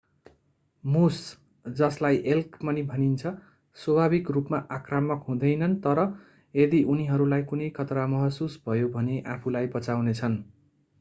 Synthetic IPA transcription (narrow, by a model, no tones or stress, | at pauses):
mus | d͡zʌslajʔelkmʌnibʱʌnint͡sʰʌ | swʌbʱabikrupmaʔakramʌkɦũd̪ʌjnʌnt̪ʌɾʌ | ed̪iʔuniɦʌɾulajkunʌjkʰʌt̪ramʌɦʌsusbʱʌjobʱʌneʔapʰulajbʌt͡sawnet͡sʰʌn